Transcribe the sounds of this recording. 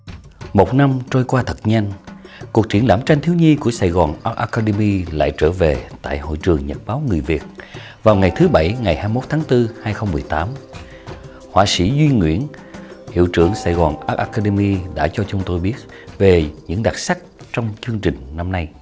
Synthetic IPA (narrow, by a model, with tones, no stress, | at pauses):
mo˨˩t̚na˧mt͡ɕo˧jkwaː˧t̪ʰə˨˩t̚ɲa˧nku˨˩ək̚t͡ɕi˧˩ənlaː˧˩mt͡ɕa˧jŋ̟t̪ʰi˧əwɲi˧ku˧˩əsaː˧˩jɣɔː˨˩nʔaː˦˥k̚ʔaː˧kaː˧ɗe˧mi˧la̰ː˧˨jt͡ɕəː˧˩ve˨˩t̪a̰ː˧˨jho̰˧˨jt͡ɕɨ˨˩əŋɲə˨˩t̚ɓaː˨˦wŋɨ˨˩əjvi˨˩ət̚ | vaː˨˩wŋa˨˩jt̪ʰɨ˨˦ɓa˧˩jŋa˨˩jhaː˧mjimo˦˥t̚t̪ʰaː˨˦ŋt̪ɨ˧haː˧jxə˧wŋ͡mmɨ˨˩əjt̪aː˨˦m | hwa̰ː˧˩sḭ˧˥zwi˧ŋwḭ˧˥ən | hḭ˧˨wt͡ɕɨ̰˧˩əŋsa̰ː˧˩jɣɔ˨˩nʔaː˦˥ʔaː˧kaː˧ɗe˧mi˧ɗa̰ː˧˥t͡ɕɔ˧t͡ɕʊ˨˦ŋ͡mt̪o˧jɓi˦˥ət̚ | ve˨˩ɲɨ̰˧˥ŋɗa˨˩t̚sa˦˥k̚t͡ɕɔ˧wŋ͡mt͡ɕɨ˧əŋt͡ɕï˨˩ŋ̟na˧mna˧j